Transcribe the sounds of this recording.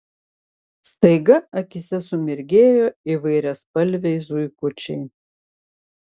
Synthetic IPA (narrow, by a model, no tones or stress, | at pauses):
st̪ɐɪɡɐɐkʲɪsʲɛsʊmʲɪɾʲɡʲeːjoiʋɐɪɾʲɛspɐlʲʋʲɛɪzujkʊt͡ʃʲɛɪ